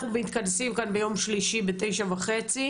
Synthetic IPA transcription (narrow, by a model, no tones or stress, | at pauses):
uveit̪̚kadsimkanbejo̞mʃliʃibete̞jʃavaχet͡si